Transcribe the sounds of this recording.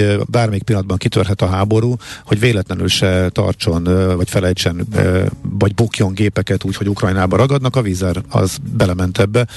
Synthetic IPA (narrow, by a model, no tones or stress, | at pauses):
baːrmɛjik̚pilːɒd̪bɒŋkit̪ørɦɛt̪ɒɦaːbo̞ɾuːho̞ɟveːlɛt̪lɛnyːlʃɛt̪ɒ̰rt͡ʃo̞nvɒcfɛlɛjt͡ʃɛn̰ | vɒɟbokjo̞ŋɡeːpɛkɛt̪uːcho̞ɟukrɒjnaːbɒɾɒɡɒd̪nɒkɒviːzɛrɒ̰zbɛlɛmɛnt̪ʰɛbːɛ